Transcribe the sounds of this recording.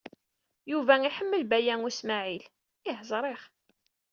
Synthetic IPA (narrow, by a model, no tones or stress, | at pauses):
juvæiħəmːəlbæjænismæʕil | ɪɦəzˤɾˤeχ